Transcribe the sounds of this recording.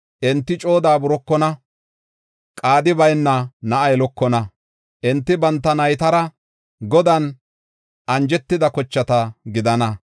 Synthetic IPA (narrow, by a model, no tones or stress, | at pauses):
ʔɪnt̪ːɪt͡ʃʼo̞ːd̪aːbʊɾɔkːɔnɐ | kʼaːd̪ɪbɐjnːɐnɐʔɐjɛlɔkːɔnɐ | ʔɪnt̪ːɪbɐnt̪ːɐnɐjt̪ɐɾɐ | ɡɔd̪ɐn | ʔɐnd͡ʒɛt̪ːɪd̪ɐkɔt͡ʃːɐt̪ɐɡɪd̪ɐnɐ